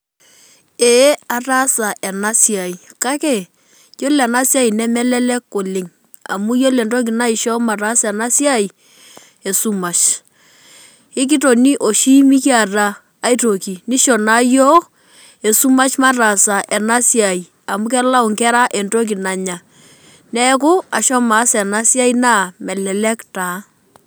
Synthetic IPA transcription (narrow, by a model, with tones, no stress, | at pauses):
ɛ˨˦a˨ra˦sa˨ʔɛ˨na˦si˦a˨i˨ka˦kɛ˦˨ | jo˦lɛ˨na˦sja˦i˨nɛ˦mɛ˦lɛ˦lɛ˦ko˨lɪ˨ŋ | a̰˨mu˦jo˦lɛ˨ndo˦k̬i˨na˦i˨ʃɔ˦ma˨ɾa˦sɛ˨na˦sja˦i˨ | ɛ˨su˦ma˨t͡ʃ | ɪ˦k̬i˦to˨ni˦ʔo˨ʃi˦mi˦ki˦a˨raː˨˦ | i˦to˨ki˨ni˦ʃɔ˨na˦jɔ˦ | e˨su˦ma˦t͡ʃma˦ta˨sa˨ʔɛ˨na˦sja˨i˨ | a˨mu˦k̬ɛ˦la˦ʊ˨ŋkɛ˦ɾa˦ʔɛ˨nto˦k̬i˨na˨ɲa˨ | nɛ˦k̬ʊ˦a˨ʃɔ˦ma˨˦sɛ˨na˦sja˦i˦na˦mɛ˨lɛ˨lɛ˦ktaː˨˦